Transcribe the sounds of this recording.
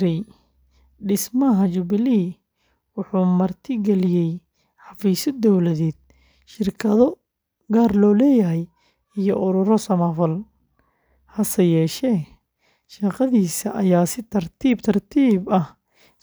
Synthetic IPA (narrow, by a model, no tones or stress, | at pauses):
ɾɛj | ɖɪsmɐɦɐt͡ʃʊbɪliː | wʊħuːmɐrt̪ʰɪɡɛlɪjɛj | ħɑfiːsɔd̪ɔwlɐðɛːd̪̚ | ʃɪrkʰɐðɔ | ɡaːrlɔːlɛːjɐɦɛj | ijɔʔʊɾʊɾɔsɐmɐfɐl | hɐsɐjɛːʃɛː | ʃɐqɑðiːsɐʔɐjaːsɪt̪ʰɐrt̪ʰiːbt̪ʰɐrt̪ʰiːbɐh